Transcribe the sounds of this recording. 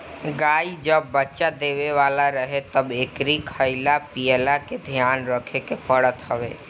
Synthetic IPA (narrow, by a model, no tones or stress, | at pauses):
ɡaːid͡ʒəbːətːʃad̪eːʋeʋaːlaɾəɦet̪əbeːkɾikʰəɪlapijəlaked̪ʱjaːnɾəkʰekepəɽət̪ɦəʋḛː